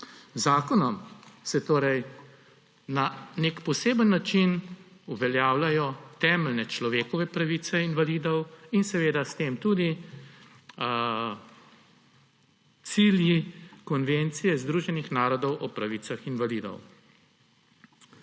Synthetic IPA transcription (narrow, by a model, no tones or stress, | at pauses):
zaːkɔnɔmsɛt̪oːɾɛj | nanekpɔseːbənːat͡ʃinuʋɛljaːwlajɔt̪ɛːməlnɛt͡ʃlɔʋeːkɔʋɛpɾaʋit̪sɛinʋalid̪ɔwinsɛʋeːd̪ast̪eːmt̪ud̪i | t̪siːljikɔnʋent̪sijɛzd̪ɾuːʒɛnixnaːɾɔd̪ɔwʔɔpɾaʋiːt̪saxinʋaliːd̪ɔ̰w